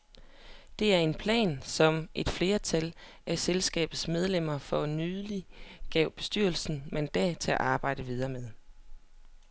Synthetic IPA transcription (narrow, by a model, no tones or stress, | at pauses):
d̥e̝æɐe̝npʰlɛ̰ːnsɒ̽mʔe̝d̥fle̝ːɐt͡sʰæl | ʔæselsɡ̥ɛ̰ːb̥ð̩ˠsmeð̞ˠlem̰ɐfɒ̽nyliɡ̥ɛʊb̥e̝sd̥yɐlsn̩mend̥ɛ̰t͡sʰe̝æʔɑ̈ːb̥ɑ̈ɪ̰d̥əʋið̞ˠɐːmeðˠ